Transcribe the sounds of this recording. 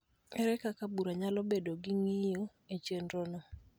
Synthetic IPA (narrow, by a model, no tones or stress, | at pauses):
ɛɾɛkakabuɾaɲalɔbedoɡɪŋɪjjo | et͡ʃendɾonɔ